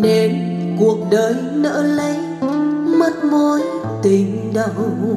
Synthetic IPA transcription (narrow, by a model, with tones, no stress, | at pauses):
ne˨˦n | ku˨˩ək̚ɗəː˨˦jnə̰ː˧˥lə˨˦j | mə˦˥t̚mo˧˦j | t̪i˨˧ŋ | ɗə˧w